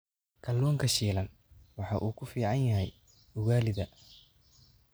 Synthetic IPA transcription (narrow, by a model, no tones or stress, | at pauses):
kʰɐlːuːŋkʰɐʃiːlɐn | wɑħɑʔuːkʰʊfiːʕɑnjɐɦɛj | ʊɣaːlɪðɐ